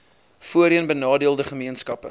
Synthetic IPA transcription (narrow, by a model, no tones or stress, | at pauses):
fuəɾiənbənɑːdiəlˠdəχəmiənskɐpə̰